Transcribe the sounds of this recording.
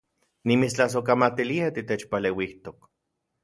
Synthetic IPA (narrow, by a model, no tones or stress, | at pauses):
nimit͡st͡ɬas̬okamat̪iliat̪it̪et͡ʃpalewiht̪ok